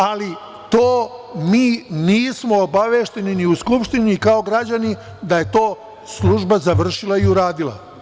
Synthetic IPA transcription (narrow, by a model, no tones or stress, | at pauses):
ali | t̪oːmiːniːsmo̞obaʋe̞ːʃt̪e̞niniuskupʃt̪inikaoɡɾad͡ʑani | d̪aje̞t̪o̞ː | slˠuʒbazaʋr̩ʃilˠaiuɾaːd̪ila̰